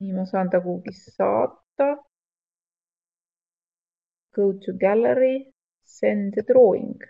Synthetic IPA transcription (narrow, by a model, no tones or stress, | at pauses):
imosɑnd̪ɑɡuːɡisːɑ̰ːt̪ːɑ | kɤwt̪uɡæleɾi | send̪ed̪roːḭŋɡ̥